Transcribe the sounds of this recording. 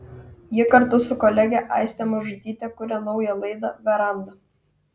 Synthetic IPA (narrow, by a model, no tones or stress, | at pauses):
jɪkɐɾt̪ʊsʊkɔlʲɛɡʲɛʔɑˑɪsʲt̪ʲɛmɐʒʊd̪ʲiːt̪ʲɛkʊɾʲɛnɒʊjɛlˠɐɪd̪ɐʋʲɛɾɐnd̪ɐ